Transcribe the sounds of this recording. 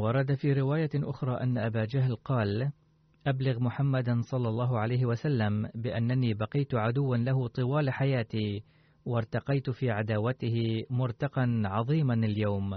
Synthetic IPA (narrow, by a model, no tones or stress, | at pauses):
wɑɾˤɑd̪afiːɾɪwaːjaʔʊxɾˤɑːʔanːaʔabaːd͡ʒaɦlqɑːl | ʔablɪɣmʊħamːad̪sˤɑlːɑlˤːɑːɦʊʕalajhɪwasalːambɪʔanːaniːbɑqɪjt̪ʊʕad̪ʊwːanlaɦʊt̪ˤɨwaːlħajaːt̪iː | wɑɾˤt̪ɑqɑjt̪fiːʕad̪aːwat̪ɪhɪmʊɾt̪ɑqɑnʕɑðˤiːmanaljawm